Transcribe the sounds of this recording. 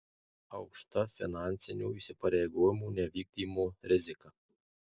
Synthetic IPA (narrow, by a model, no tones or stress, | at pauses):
ɐʊkʃt̪ɐfʲɪnɑnʲt̪sʲɪnʲuːiʃʲsʲɪpɐɾʲɛːɡoːjɪmuːnʲɛʋʲiːɡ̚d̪ʲiːmoɾʲɪzʲɪkɐ